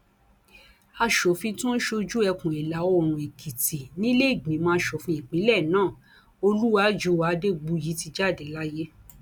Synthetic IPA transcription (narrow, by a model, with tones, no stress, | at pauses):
a˧ʃo˨fĩ˧tũ˦n̩˦ʃo˧d͡ʒu˦ɛ˧kũ˨i˨la˨˦ɔ˦˨ɾ̃ũ˨e˨kʰi˨ti˨nĩ˦le˦i˦˨ɡ͡bĩ˨˦mãː˦˧˦ʃɔ˨fĩ˧i˨k͡pĩ˨˦lɛ˦˨nãː˦˨ | o˧lu˦wa˨˦d͡ʒu˨˧˦wa˧˦˧de˦ɡ͡bu˧ji˨˦ti˧d͡ʒa˦˨de˨la˦je˦